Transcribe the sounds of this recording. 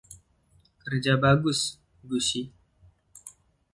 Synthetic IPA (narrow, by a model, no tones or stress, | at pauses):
kərd͡ʒabaɡʊs | ɡusi